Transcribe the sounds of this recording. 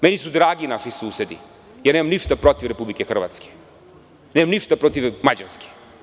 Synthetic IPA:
menisud̪ɾaːɡinaʃisuːsed̪ḭ | janemamniʃt̪apɾot̪iʋɾepublikexr̩ʋa̰t̪ske̥ | neːmamniʃt̪apɾot̪iʋmad͡ʑaɾske̥

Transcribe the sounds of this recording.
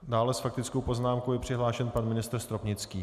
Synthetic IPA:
daːlɛsfak̚t̪ɪt͡skowpo̞znaːmkowjɛpr̥ɪɦlaːʃɛnpanmɪnɪst̪rst̪ɾopɲɪt͡skiː

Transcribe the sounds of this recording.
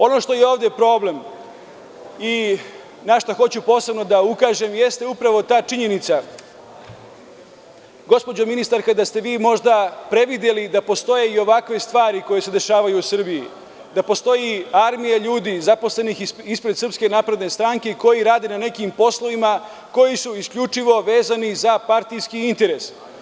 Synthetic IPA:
o̞no̞ʃt̪o̞jeoːʋd̪epɾo̞ːble̞m | i | naʃt̪oxo̞t͡ɕupo̞ːse̞bno̞d̪aukaːʒe̞mje̞st̪e̞upɾaʋo̞t̪aːt͡ʃiɲe̞nit̪sa | ɡo̞spo̞d͡ʑominist̪aɾkad̪ast̪e̞ʋiːmo̞ʒd̪apɾe̞ʋid̪je̞lid̪apo̞st̪o̞je̞io̞ʋakʋe̞st̪ʋaːɾiko̞je̞se̞d̪e̞ʃaːʋajuːsr̩biji | d̪apo̞st̪o̞jiaɾmijaʎuːd̪izapo̞sle̞nixispɾe̞d̪sr̩pske̞naːpɾe̞d̪ne̞st̪ɾaŋke̞ko̞jiɾaːd̪e̞nane̞kimpo̞slˠo̞ʋima | ko̞jisuiskʎut͡ʂiʋo̞ʋe̞ːzanizapaɾt̪ijskiint̪e̞ɾe̞s

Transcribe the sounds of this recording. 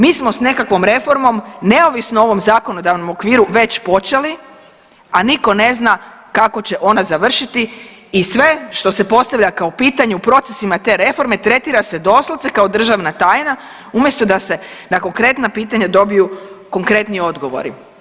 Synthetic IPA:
miːsmo̞sne̞kakʋo̞mɾe̞fo̞ɾmo̞mne̞o̞ʋisnoo̞ʋo̞mzaːko̞no̞d̪aʋno̞mo̞kʋiːɾuʋe̞t͡ɕpo̞t͡ʃe̞li | aniko̞ne̞znakako̞t͡ɕe̞ʔo̞nazaʋr̩ʃit̪i | isʋe̞ʃt̪o̞se̞po̞st̪aʋʎʲakaopiːt̪aɲeupɾo̞t̪sesimat̪e̞ɾe̞fo̞ɾme̞t̪ɾe̞t̪iːɾase̞d̪o̞sloʋt̪ekao̞d̪r̩ʒaʋnat̪ajna | umje̞st̪o̞d̪ase̞nako̞ŋkɾe̞t̪napiːt̪aɲad̪o̞bijuko̞ŋkɾet̪nio̞d̪ɡo̞ʋo̞̰ɾḭ

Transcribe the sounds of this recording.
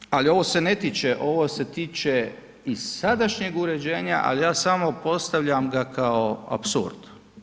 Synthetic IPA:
alio̞ʋose̞ne̞t̪it͡ʃeʔo̞ʋose̞t̪iːt͡ʃe | isad̪aʃɲeɡuɾe̞d͡ʑe̞ːɲa̰ʔa̰lijaːsamo̞po̞st̪aʋʎamɡakʰaoa̰psṵɾd̪̥

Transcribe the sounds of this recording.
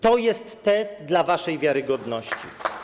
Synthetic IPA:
t̪ɔjɛst̪ːɛst̪d̪lavaʂɛjvʲjaɾɘɡɔd̪nɔɕt͡ɕḭ

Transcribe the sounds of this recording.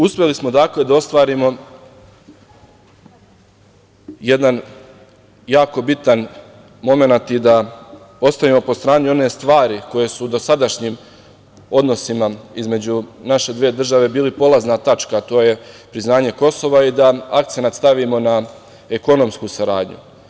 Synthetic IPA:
uspʲje̞lismo̞d̪akle̞d̪ao̞st̪ʋaːɾimo̞ | je̞d̪an | jaːko̞bit̪an | mo̞me̞nat̪id̪a | o̞st̪aʋimo̞po̞st̪ɾaːnio̞ne̞st̪ʋaːɾiko̞je̞suːd̪o̞sad̪aʃɲim | o̞d̪no̞simaizme̞d͡ʑunaʃe̞d̪ʋeːd̪r̩ʒaʋe̞biːlipo̞laznat̪at͡ʃkat̪o̞ːje̞pɾiznaːɲe̞ko̞so̞ʋaid̪aak̚t̪se̞nat̪st̪aʋimo̞na | e̞ko̞no̞mskusaɾaːd̪ɲṵ

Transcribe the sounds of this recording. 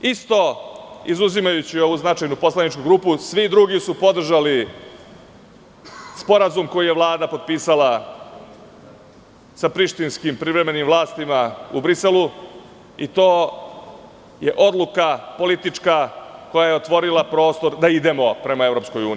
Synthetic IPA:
ist̪o̞ḭzuzimajut͡ɕio̞ʋuznat͡ʃajnupo̞slˠanit͡ʃkuɡɾuːpusʋid̪ɾuɡisupo̞d̪r̩ʒali | spo̞ɾazumko̞jije̞ʋlˠaːd̪apo̞d̪̚piːsala | sapɾiʃt̪inskimpɾiʋɾe̞me̞nimvlˠaːst̪imaubɾise̞lu | it̪o̞ː | je̞ʔo̞d̪lˠukapo̞lit̪it͡ʂkako̞jaje̞o̞t̪ʋo̞ɾilˠapɾo̞ːst̪o̞ɾd̪aid̪e̞mo̞pɾe̞mae̞vɾo̞psko̞juːnii

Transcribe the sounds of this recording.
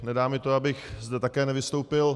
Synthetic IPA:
nɛdaːmɪt̪oabɪxzdɛt̪akɛːnɛvɪst̪owpɪl

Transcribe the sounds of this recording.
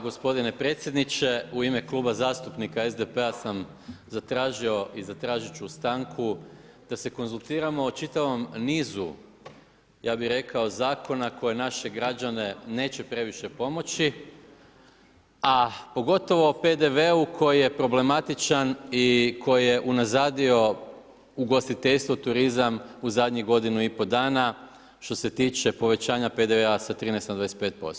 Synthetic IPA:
ɡo̞spo̞d̪ine̞pɾe̞ːt̪sʲjed̪nit͡ʃe̞uime̞klˠuːbazaːst̪upnikaezd̪epe̞asam | zat̪ɾaːʒio̞ʔizat̪ɾaːʒit͡ʃuːst̪aŋkʰu | d̪̥ase̞ko̞nzulˠt̪iːɾamo̞ːt͡ʃit̪aʋo̞mniːzu | jʔaːbiɾe̞kao̞zaːko̞nako̞je̞naʃe̞ɡɾad͡ʒane̞ne̞ːt͡ɕe̞pɾe̞ʋiʃe̞po̞mo̞t͡ɕi | apo̞ɡo̞t̪o̞ʋo̞pe̞d̪e̞ʋeukʰo̞jije̞pɾo̞ble̞mat̪it͡ʃanikʰo̞jijeʔunazaːd̪io̞ | uɡo̞st̪it̪eʎst̪ʋo̞t̪uɾizamuzad̪ʲɲiɡo̞d̪inuipo̞d̪aːna | ʃt̪o̞se̞t̪iːt͡ʃe̞po̞ʋe̞t͡ɕaːɲape̞d̪eʋeasat̪ɾiːnejst̪nad̪aese̥peːt̪̚po̞̰st̪o

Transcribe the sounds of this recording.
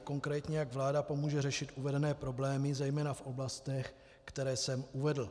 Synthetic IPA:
ko̞ŋkɾɛːt̪ɲɛjaɡvlaːdapo̞muːʒɛrɛʃɪt̪ʔuvɛdɛnɛːpɾo̞blɛːmɪzɛjmɛːnafʔo̞blast̪ɛx | kt̪ɛɾɛːsɛmʔuvɛdl̩

